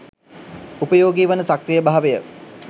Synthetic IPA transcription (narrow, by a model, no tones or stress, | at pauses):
upəjoːɡiːʋənəsakrijəbaɦaʋejə